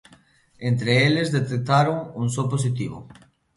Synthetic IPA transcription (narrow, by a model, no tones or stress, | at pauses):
ent̪ɾeelezðet̪ek̚t̪aɾoŋunsop̬os̬it̪iβʊ̰